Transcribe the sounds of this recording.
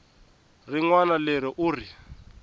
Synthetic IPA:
riŋwanalɛɾiʔuːri

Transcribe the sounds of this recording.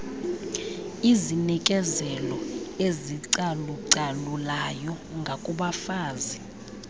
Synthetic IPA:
izinikʼɛzɛlɔeziǀaluǀalulajɔ | ŋɡʱakʼuɓafaːzi

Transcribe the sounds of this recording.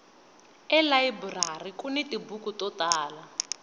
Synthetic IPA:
ɛlaiburarikunitibukutɔtaːla

